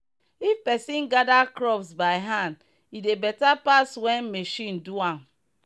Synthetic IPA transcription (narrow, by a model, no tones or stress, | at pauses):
ifpɛsĩnɡadakɹɔvsbaɪɦãnd | idebɛtapaswɛ̃nmeʃĩnduãm